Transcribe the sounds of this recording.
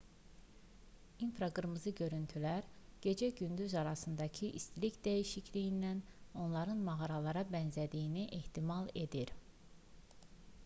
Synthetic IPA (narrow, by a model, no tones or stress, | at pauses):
infɾɑɡɯɾmɯzɯɟø̞ɾynt̪ʰylæɾɟ̥e̞d͡ʒæɟynd̪yzɑɾɑsɯnd̪ɑcʰiʔist̪licd̪æjiʃicʰlijind̪æno̞nlˠɑɾɯnmɑɣɑɾɑlˠɑɾɑbænzæd̪ijiniʔe̞ht̪ʰimɑlˠe̞d̪iɾ